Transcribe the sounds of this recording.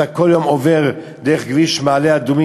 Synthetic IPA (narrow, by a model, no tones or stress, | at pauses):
akoljomoveʁ | d̪eʁeχɡliʃmaːlead̪umi